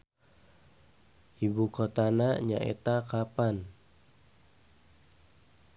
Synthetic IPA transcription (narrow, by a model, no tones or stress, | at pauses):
ʔibukot̪anaɲa̰ʔḛt̪akapan